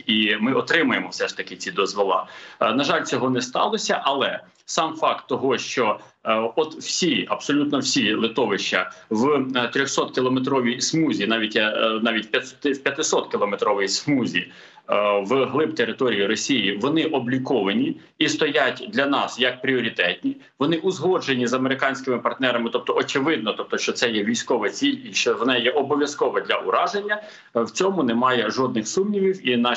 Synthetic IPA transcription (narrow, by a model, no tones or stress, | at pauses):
imɪɔt̪ɾɪmʊjemɔwsɛʂt̪ɐkɪt͡sʲid̪ɔzʋɔlˠɑ̰nɐʒɑlʲt͡sʲɔɦɔnɛst̪ɑ̰lˠɔsʲɐʔɐlˠɛ | sɑmfɑkt̪ːɔɦɔʃt͡ʃɔ | ɔt̪wsʲiɐb̥sɔlʲut̪nɔwsʲilˠɪt̪ɔʋɪʃt͡ʃɐʋt̪ɾʲɔxsɔt̪kʲɪlˠɔmet̪̬ɾɔʋʲismuzʲinɑʋʲitʲnɑʋʲitʲpʲɐt̪ɪwpʲjɐt̪ɪsɔt̪kʲɪlˠɔmet̪ɾɔʋɪjismuzʲi | ʋɦlˠɪbt̪eɾɪt̪ɔɾʲijiɾɔsʲijiʋɔnɪʔɔblʲikɔʋɐnʲi | ist̪ɔjatʲd̪lʲɐnɑsjɐk̚pɾʲiɔɾʲit̪ɛtʲnʲi | ʋɔnɪʔʊzɦɔʒenʲizɐmeɾɪkɑnʲsʲkʲɪmɪpɐrt̪nɛɾɐmɪt̪ɔp̚t̪ɔʔɔt͡ʃɪʋɪd̪nɔt̪ɔp̚t̪ɔʃt͡ʃɔt̪sɛjɛʋʲijsʲkɔʋɛt͡sʲilʲiʃt͡ʃɔʋɔnɛjɛʔɔbɔʋʲjɐskɔʋɛd̪lʲɐʔʊɾɑʒenʲːɐ | wt͡sʲɔmʊnɛmɑjɛʒɔd̪̚nɪxsumnʲiʋʲiwinɑ